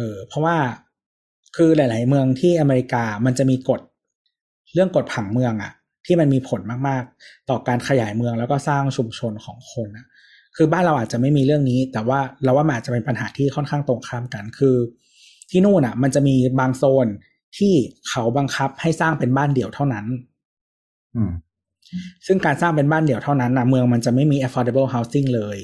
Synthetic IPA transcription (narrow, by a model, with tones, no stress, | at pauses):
ʔɤː˧pʰɾɔ˦˥waː˥˩ | kʰɯː˧la˨˩˦jlaː˩˦jmɯ˧əŋt̪ʰiː˥˩ʔa˧me˧ɾi˧˥kaː˧ma˧nt͡ɕa˨˩ʔmiː˧ko˨˩t̪̚ | ɾɯ˥˩əŋko˨˩t̪̚pʰa˩˦ŋmɯ˧əŋʔa˨˩ʔ | t̪ʰiː˥˩ma˧nmiː˧pʰo˩˦nmaː˥˩k̚maː˥˩k̚t̪ɔː˨˩kaː˧nkʰa˧ja̰ː˨˩˦jmɯ˧əŋlɛː˦˥wkɔː˥˩saː˥˩ŋt͡ɕʰu˧mt͡ɕʰo˧nkʰɔː˩˦ŋkʰo˧nʔa˦˩ | kʰɯː˧baː˥˩nɾa˧wʔaː˨˩t̪̚t͡ɕa˨˩ʔma˥˩jmiː˧ɾɯ˥˩əŋniː˦˥t̪ɛː˨˩waː˥˩ɾɛː˧˩waː˥˩a˧nʔaː˨˩t̚t͡ɕa˨˩pe˧pa˧nɦaː˩˦t̪ʰiː˥˩kʰɔ˥˩nkʰaː˥˩ŋt̪o˨˩ŋkʰa˧˥˩mka˧nkʰɯː˧ | t̪ʰiː˥˩nuː˥˩nʔa˨˩ma˧nt͡ɕa˨˩miː˧baː˧ŋsoː˧n | t̪ʰiː˥˩kʰa˦˥wba˧ŋkʰa˦˥p̚ha˥˩jsaː˥˩ŋpe˧nbaː˥˩ndi˨˩əwt̪ʰa˥˩wna˦˥n | ʔɯː˧˩ | sɯ˥˩ŋkaː˧nsaː˥˩ŋpe˧nbaː˥˩ndi˨˩˦wt̪ʰa˥˩na˦˥nʔa˧˩mɯ˧əŋma˧nt͡ɕa˨˩ma˥˩jmiː˧ʔe˦˥fɔː˧de˧bɤː˥˩ɦa˦˥wsi˥˩ŋlɤː˧j